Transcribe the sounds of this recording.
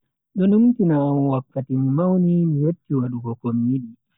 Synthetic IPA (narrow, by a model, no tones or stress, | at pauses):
ɗɔnumtinaːmuwakːatimumawnimiwetːiwaɗuɡɔkomːiɗi